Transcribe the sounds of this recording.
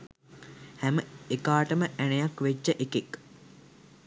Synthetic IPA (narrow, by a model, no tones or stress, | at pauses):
hæməekaːʈəməʔænəjakʋet͡ʃːəʔekek